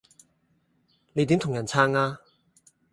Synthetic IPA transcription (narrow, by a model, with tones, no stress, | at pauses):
ne˨˧jt̪iː˨˥mt̪ʰʊ˨˩ŋjɐ˨˩nt͡sʰaː˧ŋaː˧